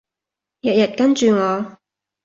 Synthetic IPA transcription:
jɐ˨t̚jɐ˨t̚kɐ˥nt͡ʃyː˨ŋɔː˨˧

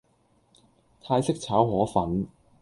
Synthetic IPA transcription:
t̪ʰaː˧jsɪ˥k̚t͡sʰaː˨˥whɔː˨˥fɐ˨˥n

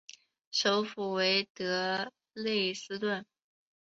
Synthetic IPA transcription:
ʂo˧˥ʊfu˨˩we˧˥ɪt̪ɤ˧˥ | le˥˩ɪsɹ̩˥t̪wə˥˩n

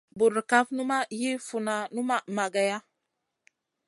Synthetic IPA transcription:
bu˨ɾka˦fnu˦ma˦ji˦fu˨na˨nu˦ma˦ma˨ɡa˨ja˦

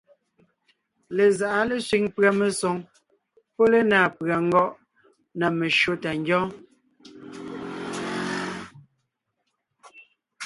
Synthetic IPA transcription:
le˨za˨ʔa˦le˦sɥi˨ŋpɰa˨me˨sɔ˨˦ŋ | pɔ˦le˦naː˨pɰa˨ŋ̩˦ɡɔ˦ʔ | na˨me˨ʃo˦ta˨ŋɡjɔ̃ː˦

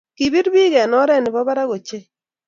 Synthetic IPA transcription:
ki˨bi˦ɾbi˦ɣɛ˨nɔ˦ɾɛ˦nɪ˨bɔ˦ba˦ɾa˦ɣo˨t͡ʃe˦

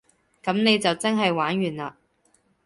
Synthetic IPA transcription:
kɐ˨˧˥mne˨˧jt͡sɐ˨wt͡sɐ˥nɦɐ˨jwaː˨˥nɥyː˨˩naː˧

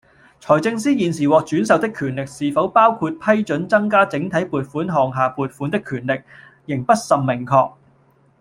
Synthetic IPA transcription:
t͡sʰɔː˨˩jt͡sɪ˧ŋsiː˥jiː˨nsiː˨˩wɔː˨k̚t͡ʃyː˨˥nsɐ˨wt̪ɪ˥kʰyː˨˩nlɪ˨k̚siː˨fɐ˨˥wpaː˥wkʰu˧t̚pʰɐ˥jt͡ʃɵ˨˥nt͡sɐ˥ŋkaː˥t͡sɪ˨˥ŋt̪ʰɐ˨˥jpuː˨˩t̚fuː˨˥nɦɔː˨ŋɦaː˨puː˨t̚fuː˨˥nt̪ɪ˥kʰːyː˨˩nlɪ˨k̚ | jɪ˨˩ŋpɐ˥t̚sɐ˨mmɪ˨˩ŋkʰɔː˧k̚

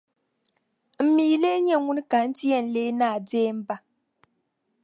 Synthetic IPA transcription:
m̩˨mi˨˦le˦ɲɛ˦˨ŋu˦nɨ˦ka˨n̩˦ti˦ɛ˦˨n̩˨leː˦naː˦˨deː˦m̩˦ba˦

